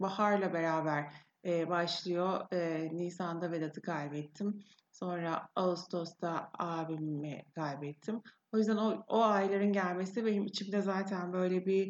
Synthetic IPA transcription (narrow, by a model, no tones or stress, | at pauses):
bahaɾlˠabe̞ɾaːbæɾ | ɛːbaʃlˠɯjo̞ɯːniːsand̪aved̪at̪ʰɯkʰajbɛt̪ʰːim | so̞nɾaaust̪ʰo̞st̪ʰaaːbimːɛkʰajbɛt̪ʰːim | o̞jyzd̪ænooajlˠaɾɯnɟælʲmesivɛhimit͡ʃʰimd̪ɛzaːt̪ʰænbø̞jlʲɛbi